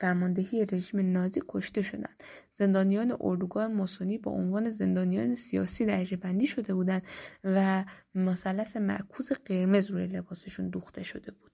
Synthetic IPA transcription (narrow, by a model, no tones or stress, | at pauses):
fæɾmɒnd̪e̞ɦiːje̞ɾe̞ʒiːme̞nɒːziːkʰo̞ʃt̪e̞ʃo̞̰d̪æ̰nd̪̥ | z̥e̞nd̪ɒːnijɒːne̞̰ʔo̰ɾd̪uɡɒːhemɒsoniːbɒ̰ːʔo̰nvɒːne̞ze̞nd̪ɒːnijɒːne̞sijɒ̰ːsiːd̪æɾʒebænd̪iːʃo̞d̪e̞buːd̪ænd̪̥væmosælːæse̞mæ̰ʔkʰuːze̞ɢe̞ɾme̞zɾuːje̞le̞bɒːse̞ʃund̪uːxt̪ʰe̞ʃo̞d̪e̞buːd̪̥